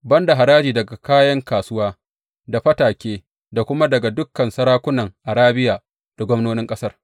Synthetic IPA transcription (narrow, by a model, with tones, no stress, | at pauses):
bɐ˦nda˨ɦa˨ɾaː˦d͡ʒiː˨dɐ˨ɡa˨kaː˦jɐ˦ŋkaː˨sʊ˦waː˦ | da˨ɸɐ˦taː˨kʲeː˦ | da˨kʷʊ˦ma˦dɐ˨ɡa˨dʊ˦kːɐ˨nsɐ˦ɾaː˦kʷʊ˦nɐ˨ŋʔa˨ɾaː˦bɪ˦jaː˨ | d̥a˨ɡʷɔ˦mnoː˦nɪ˦ŋkʼɐ˦sɐ˦r